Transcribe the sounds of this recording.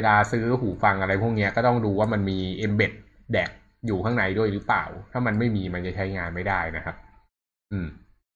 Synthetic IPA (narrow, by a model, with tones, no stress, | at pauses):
weː˧laː˧sɯː˦˥ɦuː˩˦fa˧ŋʔa˧ɾa˧jpʰu˥˩k̚ni˦˥ɐkɔː˥˩t̪ɔ˥˩ŋduː˧waː˥˩ma˧nmiː˧ʔe˧mbe˨˩t̪̚ | dɛː˨˩k̚ | juː˨˩kʰaː˥˩na˧jdu˥˩əjɾɯ˦˥pla̰ː˨˩wt̪ʰaː˥˩ma˧nma˥˩jmiː˧ma˧nt͡ɕa˨˩t͡ɕʰa˦˥jŋaː˧nma˥˩jda˥˩jna˦˥kʰa˦˥p̚ | ʔɯː˧m